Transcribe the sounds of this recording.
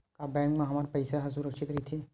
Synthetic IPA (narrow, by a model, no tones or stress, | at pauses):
kabɛ̃ːŋkmẽɦɐmaːɾpɐɪsaɦɐs̬ʊɾəkʃʰɪt̪ɾɐit̪ʰiː